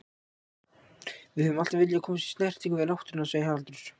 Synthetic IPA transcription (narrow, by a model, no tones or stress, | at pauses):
vɪðhœvʏmalt̪avɪljakʰɔːmast̪i̥st̪nɛr̥t̪ʰiŋkʏvɪðlawht̪ʏɾnaseːjaalt̪ɾʏɾ̥